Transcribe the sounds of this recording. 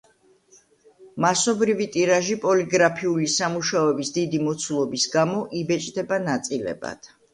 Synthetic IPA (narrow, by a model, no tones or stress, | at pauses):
masɔbɾivit̪ʼiɾaʒipʼɔliɡɾapʰiulisamuʃaɔɛbisd̪id̪imɔt̪sʰulˠɔbisɡamɔʔibɛt͡ʃʼd̪ɛbanat̪sʼilɛ̰ba̰d̪̥